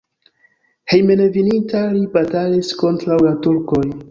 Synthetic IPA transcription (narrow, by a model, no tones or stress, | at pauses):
he̞jmenevinintalibatalisko̞ntɾawlatuɾko̞j